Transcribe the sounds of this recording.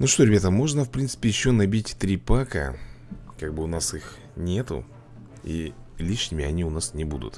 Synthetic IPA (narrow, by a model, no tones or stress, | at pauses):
nuʂt̪o̞ɾʲɪbʲat̪əmo̞ʐnəfpɾʲint̪sɨ̥pʲɪjɪɕːo̞nɐbʲitʲt̪ɾʲipakə̰ | kaɡ̚bɨʊnasix | nʲe̞t̪ʊ̰ | ḭlʲiʂnʲɪmʲɪɐnʲiʊnasnʲɪbud̪ʊ̰t̪